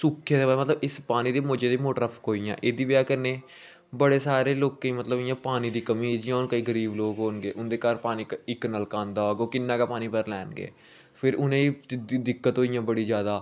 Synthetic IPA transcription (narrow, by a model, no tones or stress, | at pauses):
sʊkʰːed̪eːamət̪ləbɪspaːniːd̪eːmoːd͡ʒeːd̪eːmoːʈɾəpʰkɦoːijã̰ːʔeːd̪iːbjaːkəneː | bəɽeːsaːɾeːloːkẽːimət̪ləbɪjãːpaːniːd̪iːkəmĩːd͡ʒɪjãːʊnkəiːɡəɾiːbloːɡɦoːnɡeːʔʊnd̪eːkəɾpaːniːkɪkːnəlkãːnd̪aːɡoːkɪnːãːkaːpaːniːpəɾlɛːnɡḛː | pʰɪɾʊnẽːiːd̪ɪkːət̪ɦoːɪjãːbəɽiːzjaːd̪aː